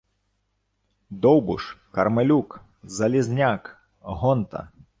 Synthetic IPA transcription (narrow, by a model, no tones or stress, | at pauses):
d̪ɔwbṵʂkɐɾmɨlʲuk | zɐlʲizʲnʲak | ɦɔnt̪ɐ̰